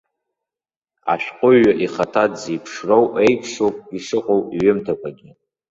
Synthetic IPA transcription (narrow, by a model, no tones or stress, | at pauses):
a̰ʃᶣqʷʼʊːaʔiχatʰadzejpʰʂrowejkʷʰʼʂowpʼiʂɨqʼowiɥʏmtʰakʷʰaɡʲi